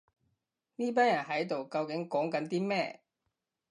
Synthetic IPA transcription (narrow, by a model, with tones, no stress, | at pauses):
niː˥p̬aː˥njɐ˨˩nɦɐ˨˥jt̪o˨wkɐ˧wkɪ˨˥ŋkɔː˨˥ŋkɐ˨˥nt̪iː˥mɛː˥